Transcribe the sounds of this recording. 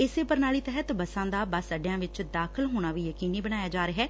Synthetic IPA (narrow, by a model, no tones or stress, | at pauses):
ɪseːpəɾnaːɭiːt̪ɛɦət̪bəsãːd̪aːbasəɖɪjãːʋɪt͡ʃd̪aːkʰəlɦoːɽ̃aːʋiːjəkiːniːbəñaːjaːd͡ʒaːɾeɦɛː